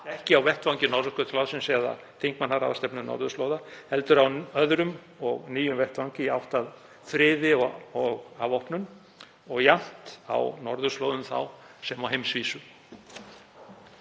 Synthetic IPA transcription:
ɛhcɪawvɛht̪vawɲcɪnɔɾðʏkœt̪ʰlawsɪnsɛða̰ | θʰeŋ̥kmanːaɾa̰vast̪ɛpnʏnɔ̰ɾðʏst̪loːwðahɛlt̪ʏɾawœðɾʏm | ɔɣniːjʏmvɛht̪vawɲcɪawht̪að | fɾɪːðɪɔɔɣavɔhpnʏn | ɔɣjan̥t̪a̰wnɔɾðʏst̪loːwðʏmθa̰wsɛmawɦejmsviːsʏ

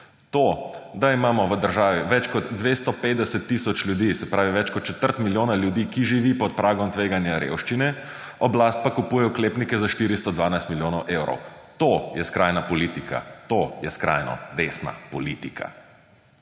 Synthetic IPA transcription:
t̪od̪aimaːmɔʋəd̪əɾʒaːʋiʋɛt͡ʃkɔd̪ːʋeːst̪ɔpet̪d̪ɛsɛt̪ːisɔt͡ʃlʲjud̪isɛpɾaːʋiʋɛt͡ʃkɔt̪̚t͡ʃɛt̪əɾt̪miljoːnaljud̪iːkiʒiʋiːpɔt̪̚pɾaːɡɔmt̪ʋeːɡanjaɾḛwʃt͡ʃinɛ | ɔblast̪̚pakupujɛjɔkleːpnikɛzaʃt̪iɾist̪ɔd̪ʋaːnajst̪miljoːnɔwʔewɾɔ̰wt̪ojɛskɾajnapɔlit̪ikʰa̰t̪ojɛskɾa̰jnɔ̰d̪esna̰pɔliːt̪ikʰa̰

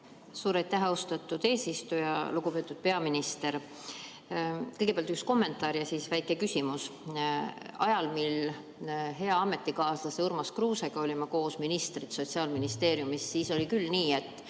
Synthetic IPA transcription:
suːɾɑjt̪ːˑæɦost̪ɑt̪ːˑud̪̥e̞ːsist̪ujɑ̰luɡ̥upe̞ːt̪ːˑud̪̥̚pe̞ɑminist̪e̞ɾ | kɤjɡe̥eɑlt̪yksko̞mːe̞nt̪ːˑɑːɾjɑsisvæjkːˑe̞kysʲimus | ɑjɑlmil | ɦe̞ɑɑmːe̞t̪ˑːikɑːslɑseuɾmɑskruːseɡ̥ɑo̞lʲimɑko̞ːsminist̪rit̪so̞t̪ʲsiɑːlminist̪e̞ːɾjumisːiːso̞lʲikylniːe̞t̪ːˑ

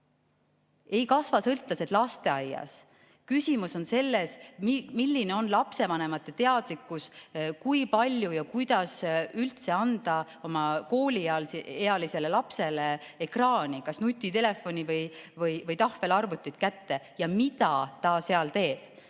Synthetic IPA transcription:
e̞jkɑsvɑsɤlt̪ˑlɑset̪lɑst̪e̞ɑjːɑ̰s | kysʲimuso̞nse̞lːe̞smilːine̞o̞nlɑpse̞vɑne̞mɑt̪ːˑe̞t̪e̞ɑd̪likːˑuskujpɑlʲjujɑkujd̪̥ɑsylt̪se̞ɑnd̪̥ɑ | o̞mɑko̞ːlʲiɑleɑlise̞le̞lɑpse̞leekrɑːnikɑsnut̪ʲːˑit̪e̞le̞fːonʲivɤjvɤjvɤjt̪ɑhve̞lɑrvut̪ʲˑːit̪kæt̪ːe̞jɑmit̪ɑt̪ɑse̞ɑlt̪e̞ːb̥

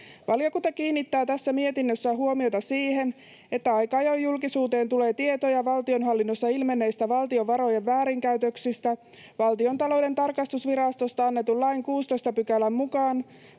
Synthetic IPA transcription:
ʋɑljo̞kunt̪ɑkiːnːit̪ːæːt̪æsːæmie̞t̪inːøsːæɦuo̞mio̞t̪ɑsiːhe̞n | e̞t̪ːæɑjkɑɑjojːulkisuːt̪e̞ːnt̪ule̞ːt̪ie̞t̪ojɑʋɑlt̪io̞nɦɑlːinːosːɑilme̞nːe̞jst̪æʋɑlt̪io̞ʋɑɾo̞jeʋːæːɾiŋkæyt̪ø̞ksist̪æ | ʋɑlt̪io̞nt̪ɑlo̞wde̞nt̪ɑrkɑst̪usʋiɾɑst̪ost̪ɑɑnːe̞t̪ulːɑjŋkuːst̪o̞jst̪ɑpykælːæmːukɑːn

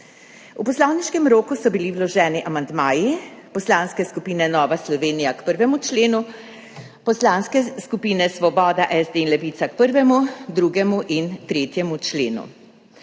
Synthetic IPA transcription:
upɔslɔwniʃkɛmɾoːkusɔbiliwlɔʒɛːniʔamand̪maːjipɔslaːnskɛskupiːnɛnɔːʋaslɔʋeːnijakpəɾʋɛmut͡ʃleːnu | pɔslaːnskɛskupiːnɛsʋɔbɔːd̪aʔɛzd̪einlɛʋiːt̪sak̚pəɾʋɛmud̪ɾuːɡɛmuʔint̪ɾeːt̪jɛmut͡ʃleːnṵ

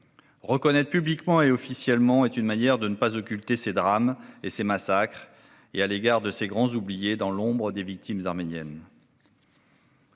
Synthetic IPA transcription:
ʁəkɔnɛt̪χpyblikmɑ̃eɔfisjɛlmɑ̃ɛt̪ynmanjɛʁd̪ənəpazɔkʲylt̪esed̪ʁamesemasakχ | ealeɡaʁd̪əseɡʁɑ̃zublijed̪ɑ̃lɔ̃bʁəd̪evik̚t̪imzaʁmenjɛn

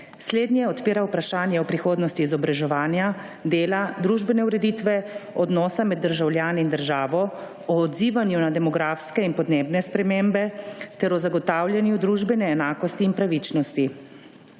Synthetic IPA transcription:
sleːd̪nʲjɛɔt̪piːɾawpɾaʃaːnjɛɔpɾixoːd̪nɔst̪iːzɔbɾaʒɛʋaːnja | d̪eːlad̪ɾuʒbɛnɛuɾɛd̪iːt̪ʋɛɔd̪nɔːsamɛd̪ːəɾʒawljaːniind̪əɾʒaːʋɔ | ɔːd̪ziːʋanjunad̪ɛmɔɡɾaːfskɛinpɔd̪neːbnɛspɾɛmeːmbɛt̪ɛɾɔzaɡɔt̪aːwlʲjɛnjud̪ɾuːʒbɛnɛːnaːkɔst̪iːnpɾaʋit͡ʃnɔst̪i

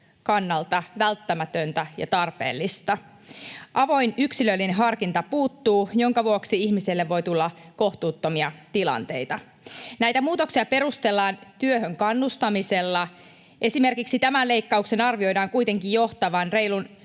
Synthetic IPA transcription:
kɑnːɑlt̪ɑʋælt̪ːæmæt̪ønt̪æjɑ̰t̪ɑrpḛːlːist̪ɑ | ʔɑʋo̞jnyksilølːineɦɑrkint̪ɑpuːt̪ːuːjo̞ŋkɑʋuoksiiçmiselːeʋːo̞jt̪ulːɑko̞ht̪uːt̪ːo̞miɑt̪ilɑ̰nt̪ejt̪ɑ | næjt̪æmuːt̪o̞ksiɑpe̞ɾust̪e̞lːɑːnt̪yøɦøŋkɑnːust̪ɑmiselːɑ | ʔe̞sime̞rkiksit̪æmænle̞ikːɑukse̞nɑrʋio̞jdɑːŋkujt̪e̞ŋkijjo̞ht̪ɑʋɑnre̞jlun

